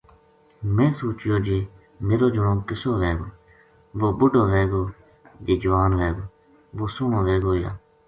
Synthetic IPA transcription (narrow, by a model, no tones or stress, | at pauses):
mẽːsoːt͡ʃjoːd͡ʒiː | meːɾoːd͡ʒʊɽõːkɪsoːʋeːɡoː | ʋoːbʊɖoːʋeːɡoː | d͡ʒeːd͡ʒʊʋaːnʋeːɡoː | ʋoːsʊːɳõːʋeːɡoːja̰ː